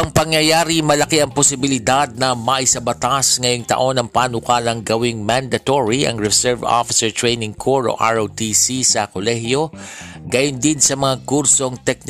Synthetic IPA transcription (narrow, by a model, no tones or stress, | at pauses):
ʔɐŋpɐŋjɐjaːɾimɐlɐkeɐŋposɪbɪlɪd̪ad̪̚nɐmɐʔɪsɐbɐt̪asŋɐjoŋt̪ɐ̰ʔo̞nɐŋpaːnʊkalɐŋɡɐwiŋmand̪ɐt̪oɹiɐ̰ŋɹɛsɛɹvo̰fɪsɛɹt̪ɹejnɪŋkʰoɹo̰ʔa̰ɹowt̪isisɐkolɛhjo̞ɡajʊnd̪insɐmɐŋakuɾso̞ŋt̪ɛk̚n